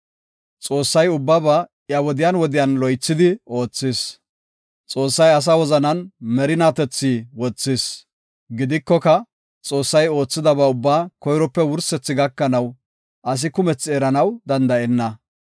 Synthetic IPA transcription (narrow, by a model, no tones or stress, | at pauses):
t͡sʼo̞ːsːɐjʊbːɐbɐ | jɐwɔd̪ɪjanwɔd̪ɪjanlɔjt͡sːɪd̪ɪo̞ːt͡sːɪs | t͡sʼo̞ːsːɐjɐs̬awɔzɐnɐnmɛɾɪnaːt̪ɛt͡sːiːwɔt͡sːɪs | ɡɪd̪ɪkːɔkɐ | t͡sʼo̞ːsːɐjo̞ːt͡sːɪd̪ɐbɐʊbːaːkɔjɾɔpːɛwʊɾsɛt͡sːɪɡɐkːɐnɐw | ʔɐs̬ɪkʊmɛt͡sːɪɛɾɐnɐwd̪ɐnd̪ɐʔɛnːɐ